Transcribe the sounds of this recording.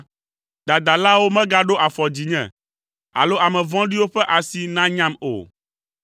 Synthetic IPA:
d̪a˨d̪a˨la˦wo˦mɛ̃˦ɡa˦ɖo˦ʔa˨fɔ˨d͡ʑi˨ɲɛ̰̃˨ | a̰˨lo˦ʔa˨mɛ̃˨vɔ̃˦ɖi˦wo˦ɸɛ˦ʔa˨si˨nã˦ɲã˦mo̰˨

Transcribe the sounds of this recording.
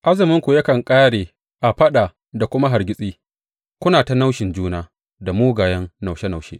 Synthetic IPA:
ʔa˦zɪ˨mɪ˦ŋkʷu˨jɐ˦kɐ˨ŋkʼaː˦ɽeː˨ | ʔa˨ɸɐ˦ɗa˨ | da˨kʷʊ˦ma˦ɦa˨rɡʲɪ˦sʼiː˦ | kʷʊ˦naː˨ta˦na˦wʃɪ˨nd͡ʒuː˦naː˦ | da˨moː˦ɡaː˨jɐ˦nna˨wʃe˦na˨wʃḛ˦ʔ

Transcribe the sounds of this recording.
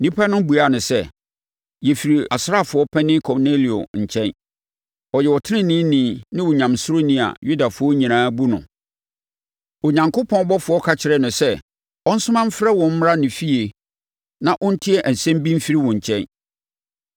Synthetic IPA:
nĩ˦pʰa˦nʊ̃˦bu˨a˨nʊ̃˨sɛ˦ | jɛ˨fi˨ɾi˨a˨sɾa˦˨fʊ˨˦ɔ˦pʰɛ̃˦nɪ̃˦kʰɔ˨ne˦li˨o̰˨ɲ̩˨t͡ɕʰɛ̃˦n | ɔ˨jɛ˨wɔ˨tʰɪ˦nɪ̃˦nɪ̃˦nĩ˨˦nɪ̃˦wʊ˨ɲã˨msʊ˦ɾo˦nĩ˨a̰˨ju˦da˨fʊ˨˦ɔ˦ɲĩ˨nãː˨˦bu˦nʊ̰̃˨ | ɔ˨ɲã˨ŋkʰʊ˦pʰɔ̃˦ɔ˦bɔ˦fʊ˨ɔ˦kʰa˨t͡ɕʰɪ˨ɾɛ˦nʊ̃˨sɛ˦ | ɔ˦n̩˦sʊ˦mã˦m̩˦fɾɛ˦wɔ̃˨m̩˦m˦ɾa˦nɪ̃˨fi˦e˨ | nã˨ʔʊ̃˦n̩˦tʰɪ˦ɛ˦ʔæ˨n̩˨sɛ̃˦m˦bĩ˦m̩˦fi˦ɾi˦wɔ̃˨ɲ̩˨t͡ɕʰɛ̃˦n

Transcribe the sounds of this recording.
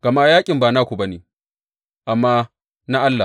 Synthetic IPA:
ɡɐ˨maː˦jaː˦kʲʼɪ˨mbaː˨na˦˨kʷu˨bɐ˦niː˨ | ʔa˨mːaː˦ | na˦ʔa˦lːa˨

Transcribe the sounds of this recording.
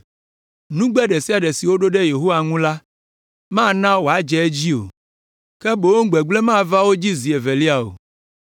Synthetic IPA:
nũ˦ɡ͡bɛ˦ɖe˨si˦a˨ɖɛ˨si˨wo˦ɖo˦ɖe˦je˨ɦo˦wa˨ŋũ˦la˦ | mã˦nã˦wo˨a˦d͡ʒɛ˨e˦d͡ʑi˦o̰˨ | kɛ˦bo˨wo˦ɡ͡be˨ɡ͡ble˦mã˦va˦wo˦d͡ʑi˦zi˨e˨ve˨li˦a˨o̰˨

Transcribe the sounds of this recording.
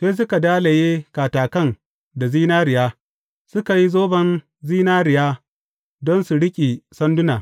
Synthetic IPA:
seː˦s̬ʊ˦ka˨daː˦le˨jeː˦kaː˨taː˨kɐ˦˨n | da˨ziː˦naː˦ɾɪ˨jaː˦ | sʊ˦ka˨ji˦zoː˦bɐ˦n | ziː˦naː˦ɾɪ˨jaː˦ | dɔ˦nsu˨ɽɪ˦kʲʼi˨sɐ˦ndʊ˦naː˨

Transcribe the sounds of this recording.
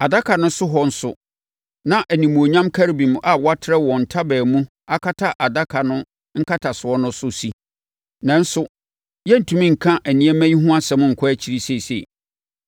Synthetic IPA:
a˨da˦kʰa˨nʊ̃˦sʊ˦ɦɔ˦n̩˦sʊ̰˨ | nã˦ʔæ˨nĩ˨mũ˨o˨ɲã˦mkʰæ˦ɾi˦bĩ˨ma˨wa˦tʰɪ˦ɾɛ˦wɔ̃˨n̩˨tʰa˦bɛː˨mũ˦ | a˦kʰa˦tʰa˦ʔa˨da˦kʰa˨nʊ̃˦ | ŋ̩˦kʰa˦tʰa˨sʊ˨ɔ˦nʊ̃˦sʊ˦si˦ | nã˨˦n̩˦sʊ˦ | jɛ˦n̩˨tʰũ˨mĩ˦ŋ̩˨kʰã˦ʔæ˨nĩ˨ɛ˦mæ̃˦ɲi˦ɦũ˦a˦sɛ˨˦mʊ̃˦ŋ̩˨kʰɔ˦æ˦t͡ɕʰi˨ɾi˦se˦˨sḛ˨

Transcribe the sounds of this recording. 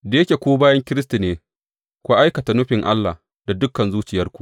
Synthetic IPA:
da˨jɐ˦kʲe˨kʷoː˦baː˦jɐ˦ŋkʲɪ˦ɾɪ˦s̬ti˨neː˨ | kʷu˦ʔa˦jkɐ˨ta˨nʊ˦ɸɪ˨ŋʔa˦lːa̰ː˨ | da˨dʊ˦kːɐ˨nzuː˦t͡ʃɪ˨jɐ˦rkʷu˨

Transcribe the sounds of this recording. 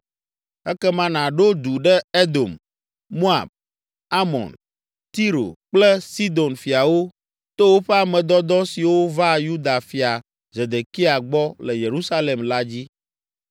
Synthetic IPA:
ɛ˦kɛ˦mã˦nã˨ɖo˦d̪u˨ɖɛ˦e˦d̪o˨m | mo˦a̰˨b̚ | a˦mɔ̰̃˨n | t̪i˦ɾo̰˨k͡plɛ˦si˦d̪o˨nfi˨a˨wo˦ | t̪o˦wo˦ɸɛ˦a˨mɛ̃˨d̪ɔ˦d̪ɔ˦si˨wo˦va˦ju˦d̪a˨fi˨a˨ | ze˨d̪e˨ki˦a˨ɡ͡bɔ˦lɛ˨je˨ɾu˦sa˦le˨mla˦d͡ʑi˦

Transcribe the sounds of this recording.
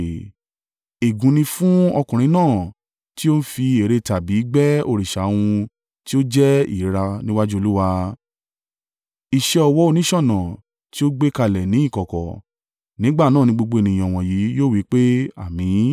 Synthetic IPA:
e˨ɡũ˨˦nĩ˧fũ˦ɔ˧kũ˨ɾ̃ĩ˧nãː˦˨ | ti˦o˦ñ̩˦fi˧e˨ɾe˧ta˨bi˨˦ɡ͡bɛ˦o˧ɾi˨ʃa˨˦˧w̃ũ˧ | ti˦o˦d͡ʒɛ˦ḭ˦˨˦ɾa˧nĩ˦wa˦d͡ʒu˦o˧lu˦wa˧ | i˨ʃɛ˧ɔ˧wɔ˦o˧nĩ˦ʃɔ̃˦˨nã˨ | ti˦o˦ɡ͡be˦ka˧˨lɛ˨nĩ˨˦i˦˨kɔ˨kɔ̰˨ | nĩ˨˦ɡ͡ba˦˨nãː˦˨nĩ˧ɡ͡bo˧ɡ͡bo˧e˨nĩ˨j̃ã˨w̃ɔ̃˨ji˨˦joː˦˨wi˨˦k͡pe˦a̰˦˨mĩ˨˦

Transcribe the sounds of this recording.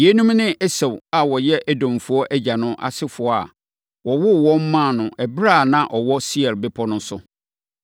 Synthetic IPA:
je˦nũ˦mnɪ̃˦ɛ˦sɛ˨wa˨wɔ˨jɛ˦ʔæ˦dõ˨mfu˨ɔ˦ʔæ˦d͡ʑa˨nʊ̃˦ʔa̰˨sɪ˦fʊ˨ɔ˦a̰˨ | wɔ˨wʊ˦wɔ̃˦m̩˦mã˦˨nʊ̃˨ʔɛ˨bɾa˦˨nã˨ʔɔ˨wɔ˦si˦ɛ˨ɾbɪ˦pʰɔ˦nʊ̃˦sʊ˦

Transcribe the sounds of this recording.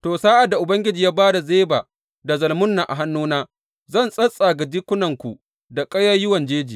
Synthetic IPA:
toː˨saː˦ʔa˨da˨ʔʊ˨bɐ˦ŋɡʲɪ˦d͡ʒiː˨jaː˦baː˦da˨zeː˦ba̰ː˨ | da˨zɐ˨lmʊ˦nːa˨ʔa̰˨ɦa˦nːuː˦naː˦ | zɐ˦˨nsʼɐ˦sʼa˨ɡɐ˨d͡ʒɪ˦kʷːʊ˦nɐ˨ŋkʷu˨ | da˨kʼɐ˦ja˦jʊ˦wɐ˨nd͡ʒeː˦d͡ʒiː˨

